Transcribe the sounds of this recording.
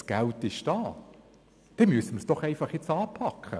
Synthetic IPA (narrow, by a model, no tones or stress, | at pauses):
sɡ̥æltɪʃd̥ɑː | d̥ɛmyəsəməsd̥ɔχɛɪfɑχjɛt͡sɑːpʰɑkχə̰